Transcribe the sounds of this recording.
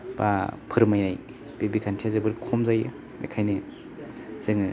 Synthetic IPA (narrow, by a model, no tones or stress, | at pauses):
b̥a̰pʰɯɾmajaj | bebikʰantʰiazɯbɯɾkʰɔmzajɯ̰ | ḛkʰajnɯ | z̥ɯŋɯ